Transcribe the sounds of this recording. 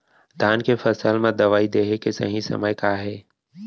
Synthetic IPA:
d̪ʱaːnkefəsəlmẽd̪ɐʋaːid̪eːɦekesɐ̰ɦĩsɐ̰məjkaːɦɛː

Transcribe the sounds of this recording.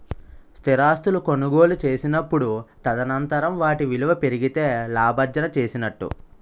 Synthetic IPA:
st̪ʰiɾaːst̪uluko̞nuɡo̞ːlut͡ʃe̞ːsinɐpːuɽut̪ɐd̪ɐnɐnt̪ɐɾɐmʋaːʈiʋiluʋɐpe̞ɾiɡit̪e̞ːlaːbɐɾd͡ʒɐnɐt͡ʃe̞ːsinɐʈːṵ

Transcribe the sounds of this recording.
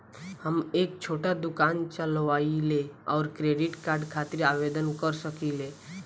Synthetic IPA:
həmeːk̚t͡ʃʰoːʈad̪ʊkaːnt͡ʃəlʋaːileɔːɾkɾeːɖɪʈkaːɾɖkʰaːt̪ɪɾaːʋed̪ənkəɾsəkileː

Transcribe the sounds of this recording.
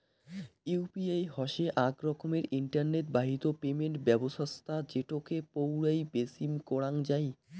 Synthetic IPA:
iwpiajɦɔʃeʔaɡɾɔkʰomeɾiɳʈaɾneʈ̚baɦit̪opemeɳʈbɛboʃast̪ʰad͡ʑeʈokepowɾajbesimkɔɽaŋd͡ʑaj

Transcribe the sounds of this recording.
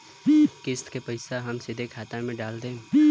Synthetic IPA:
kɪst̪kepɐɪsaɦɐmsɪd̪ʱekʰaːt̪amẽɖaːld̪ẽ

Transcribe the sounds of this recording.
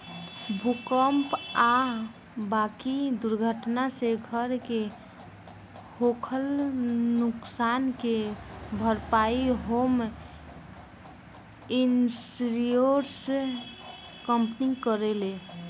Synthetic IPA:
bʱukəmpa | bakid̪uɾɡʱəʈnaseɡʱəɾke | hokʰəlnuksankebʱəɾpaiɦom | insɾijoɾs | kəmpnikəɾele

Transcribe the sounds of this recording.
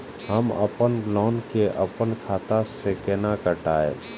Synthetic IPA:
ɦəmə̰pənɡlɔːnkeʔəpənkʰaːt̪asekenakəʈaːḛ

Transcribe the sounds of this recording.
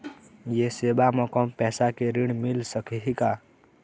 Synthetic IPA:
jeseːbamɔ̃kɔmpɛːsakeɾiɽ̃mɪlsəkɦika

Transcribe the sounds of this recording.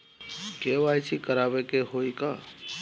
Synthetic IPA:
keʋaːjt͡ʃʰikəɾaːʋekeɦoikaː

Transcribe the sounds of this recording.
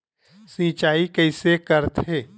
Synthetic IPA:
sĩːt͡ʃaːikɛɪsekəɾt̪eː

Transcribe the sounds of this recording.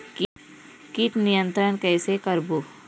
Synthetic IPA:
k | kit̪nijə̃nt̪ɾənkɛːsekəɾbu

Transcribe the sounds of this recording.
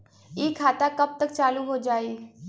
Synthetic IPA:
eːkʰaːt̪akəb̚t̪əkt͡ʃaːluɦoːd͡ʒaːiː

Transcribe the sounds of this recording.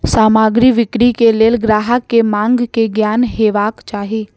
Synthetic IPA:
saːmaːɡɾiʋɪkɾikeleːlɡɾaːɦəkːemãːŋɡkeɡjaːnɦeːʋaːkt͡ʃaːɦiː

